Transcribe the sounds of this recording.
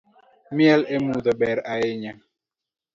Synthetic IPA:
mjɛlemuðɔɓɛɾaeɲa

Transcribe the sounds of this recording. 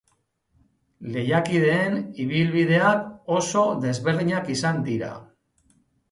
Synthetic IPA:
le̞jakið̞e̞ːniβ̞ilβiðe̞ako̞so̞ðe̞zβe̞ɾðiɲakisand̪iɾa̰

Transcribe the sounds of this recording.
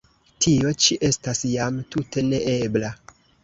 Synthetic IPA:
tʰio̞t͡ʃiʔe̞stasjamtutʰe̞ne̞ʔe̞bla

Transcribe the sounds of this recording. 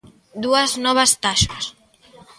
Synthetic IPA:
d̪uɐznɔβ̞ɐst̪aʃas

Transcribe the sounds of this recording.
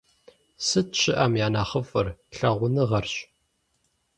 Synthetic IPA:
sɨt̚ɕɪʔɐmjaːnaːχəfɨrɬɐʁʷʊnɨʁɐrɕ

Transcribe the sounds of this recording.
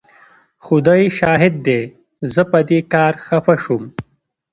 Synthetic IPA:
xʊd̪ajʃɑːɦɪd̪̚ːe | zəpɐd̪ekɑːɾxɐfaʃum

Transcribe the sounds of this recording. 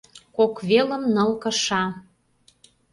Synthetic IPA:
kokβelə̆mnɤ̆lkɤ̆ʃɑ

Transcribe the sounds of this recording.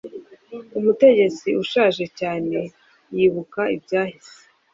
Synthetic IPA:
umute̞ɟe̞t͡siʔuʃaːʒe̞caːne̞ | jiːβukaibɟaːhiz̥e

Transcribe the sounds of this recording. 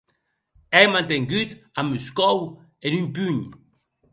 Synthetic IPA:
ɛjmãnt̪eŋɡyt̪amyskɔw | enympyɲ

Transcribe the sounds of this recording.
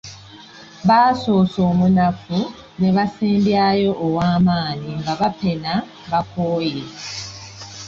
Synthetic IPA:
βaːso̞ːso̞ːmunafu | ne̞βasiːmbjajo̞ʔːwaːmaːniŋɡaβape̞na | βakoːje

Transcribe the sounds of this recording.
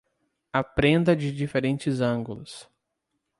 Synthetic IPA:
ɐpɾẽnd̪ɐd͡ʒɪd͡ʒifeɾẽnt͡ʃɪzɐ̃ŋɡulʊs

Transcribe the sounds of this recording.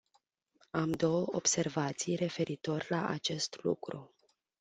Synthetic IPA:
amd̪o̞wəob̥se̞rvat̪sijre̞fe̞ɾit̪o̞rʲlaʔat͡ʃe̞st̪lṵkɾṵ

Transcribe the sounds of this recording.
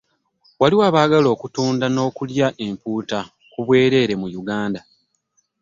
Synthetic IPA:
waliwaːβaːɡalo̞ːkutuːndano̞ːkuljaʔe̞mpuːta | kuβwe̞ːɾe̞ːɾe̞mujuɡaːnda

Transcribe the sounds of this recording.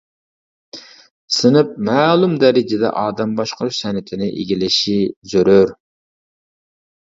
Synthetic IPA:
sɨnɨp̚mæːlˠumd̪ɛɾɪd͡ʒɪd̪ɛ̰ʔɑːd̪ɛmbɑʃqəɾuʃsɛnɪt̪ʰɪnɪʔeɡʲilɪʃizøɾøɾ

